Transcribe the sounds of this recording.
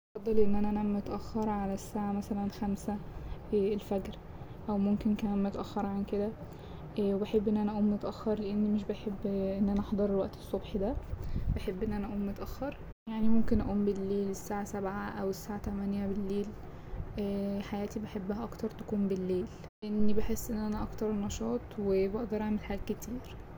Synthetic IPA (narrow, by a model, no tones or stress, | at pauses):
fɑd̪ˤːɑlʔenːʔænænæmot̪ʔæxːɑɾˤʕalæsːaːʕamæsælænxæmsæ | elfæɡɾ | ʔæwmomkenkææmet̪ʔæxːɑɾˤʕanked̪æ | webeħebːʔenːʔænæʔæʔuːmːet̪ʔæxːɑɾˤleʔenːmeʃ̬beħebːʔenːʔænæʔɑħd̪ˤɑɾˤwæʔt̪e̥sˤːobħd̪æb̥eħebːʔenːʔænæʔuːmːet̪ʔæxːɑɾˤ | jaʕnimomkenʔæ̰ʔuːmbelːeːlesːaːʕasæbʕaʔæwesːaːʕat̪æmænjæbelːeːl | ħajæːt̪ibeħebːæhæʔɑkt̪ɑɾˤt̪æ̥kuːmbelːeːl | ʔenːibeħesːʔenːʔænæʔɑkt̪ɑɾˤenːɑʃɑːt̪ˤwebɑʔd̪ɑɾˤʔaʕmelħaːɡæket̪iːɾ